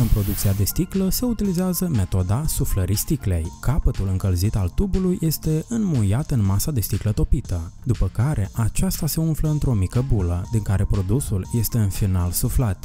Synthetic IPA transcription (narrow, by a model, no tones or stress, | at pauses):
ɨnpɾo̞d̪ukt̪siad̪e̞st̪ikləse̞ut̪ilizeazəme̞t̪o̞d̪asufləɾist̪ikle̞jkapət̪ulɨŋkəlzit̪alt̪ubulujʔe̞st̪e̞ɨnmujat̪ɨnmasad̪e̞st̪iklət̪o̞pit̪əd̪upəkaɾe̞ʔat͡ʃast̪ase̞unfləɨnt̪ɾo̞mikəbuləd̪iŋkaɾe̞pɾo̞d̪usulje̞st̪e̞ɨnfinalsuflat̪